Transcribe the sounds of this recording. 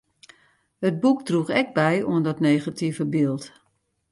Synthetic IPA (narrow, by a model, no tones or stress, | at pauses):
hət̚bukdruɣɛk̚bɛjuəndɔtneːɣatʰivəbɪːlˠt